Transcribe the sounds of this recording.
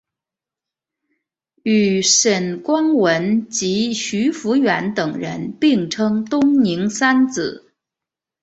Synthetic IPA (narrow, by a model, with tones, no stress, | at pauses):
y˨˩ʂə˨˩nkwɑ˥ŋwə˧˥nt͡ɕi˧˥ɕy˧˥fu˧˥ɥɛ˧˥nt̪ɤ˨˩ŋɻə̰˧˥npi˥˩ŋʈ͡ʂʰɤ˥ŋt̪ʊ˥ŋni˧˥ŋsa˥nt͡sɹ̩˨˩˦